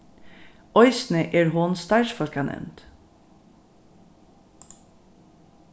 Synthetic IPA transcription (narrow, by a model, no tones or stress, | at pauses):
ɔʏsn̩əʔeːɹhoːnst̪ɑɪʃfɔlkɑnʔɛ̰mnt̪